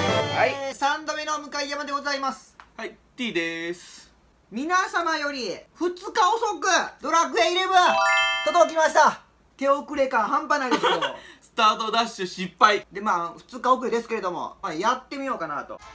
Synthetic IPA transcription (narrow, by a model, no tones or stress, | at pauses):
haisãnd̪omʲenomɯ̟kaid͡ʒamad̪e̞ɡo̞zaimasɨ̥hait̪iːd̪es | mʲinasamajo̞ɾʲiɸɯ̟t͡sɨkaoso̞kɯ̟d̪o̞ɾakɯ̟eiɾebɯt̪ot̪ok̬ʲimaɕi̥t̪a | k̪e̞okɯ̟ɾe̞kãɦãmpanaidesioosɨ̥t̪aːt̪o̞d̪aɕɨɕipːaid̪e̞maːɸɯ̟̥t͡sɨkaokɯ̟ɾed̪e̞sɨ̥ke̞ɾe̞d̪o̞mo̞̰maːjat̪ːe̞mʲijo̞ːkana̰t̪o̞̰